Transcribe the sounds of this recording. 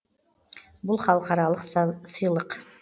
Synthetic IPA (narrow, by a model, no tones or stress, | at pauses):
bulˠχɑlˠqɑɾɑlˠɤqsɤ̆jlˠɤq